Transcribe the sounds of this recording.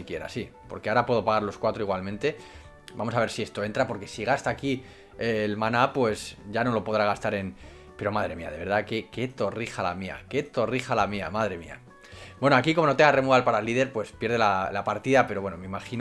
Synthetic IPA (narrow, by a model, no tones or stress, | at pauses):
ikje̞ɾa̰sipo̞ɾkeaɾapwe̞ð̞o̞paɣaɾlo̞skwat̪ɾo̞iɣwalmẽnt̪e̞ | bamo̞saβeɾsie̞st̪o̞e̞nt̪ɾapo̞ɾke̞siɣ̞ast̪aːki | elmanapwe̞sʝano̞lo̞po̞ðɾaɣ̞ast̪aɾe̞n | pe̞ɾo̞maðɾe̞mia̰ð̞e̞β̞e̞ɾðakeke̞t̪o̞rixala̰mia̰ke̞t̪o̞rixalamia̰maðɾe̞mḭa̰ | bwe̞noakikomo̞no̞t̪eŋɡare̞mualpaɾalːiðe̞ɾpwe̞spjeɾð̞elalapaɾt̪iðape̞ɾowe̞nomeimaxin